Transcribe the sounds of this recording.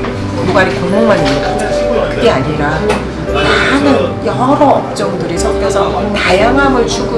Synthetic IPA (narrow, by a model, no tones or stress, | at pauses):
kɯmaɾikoŋmoŋmaɲie | kɯɡe̞aɲiɾa | manɯnjʌɾʌʌp̚t͡ɕ͈ʌŋdɯɾisʰʌɡjʌsʰʌ | tajaŋɦamɯɭt͡ɕuɡɯ